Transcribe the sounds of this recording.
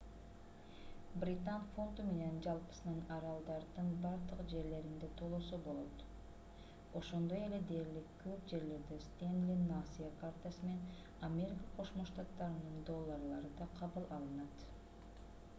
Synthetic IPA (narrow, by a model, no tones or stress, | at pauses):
brʲit̪anfo̞nt̪ume̞ne̞nd͡ʒɑlˠpɯ̥sɯnɯnɑɾɑlˠd̪ɑɾd̪ɯnbɑɾd̪ɯqd͡ʒe̞ɾle̞ɾind̪e̞t̪ʰolˠosobo̞lˠot̪ | o̞ʃo̞nd̪o̞je̞le̞d̪e̞ːɾlikːøp̚d͡ʒe̞ɾle̞ɾd̪est̪ʲend̪lʲinːasijakart̪asɯmenen | amʲe̞ɾʲikaqʰo̞ʃmoʃt̪ɑt̪ːɑɾɯnɯnd̪o̞lˠːɑrlˠɑɾɯd̪ɑqʰɑβɯlˠɑlˠɯnɑt̪